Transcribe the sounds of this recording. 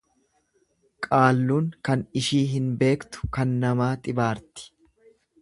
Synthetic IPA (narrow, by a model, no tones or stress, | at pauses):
kʼaːlːuːŋkɐnɪʃiːɦɪnbe̞ːkt̪ʊ̥kɐnːɐmaːt̪ʼɪbaːɾt̪ɪ̥